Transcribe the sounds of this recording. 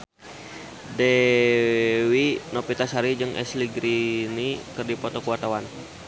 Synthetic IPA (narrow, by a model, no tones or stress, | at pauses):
dɛ | winɔpit̪asaɾid͡ʒəŋɛ̰sliɡɾinikərdipɔt̪ɔkuwat̪awan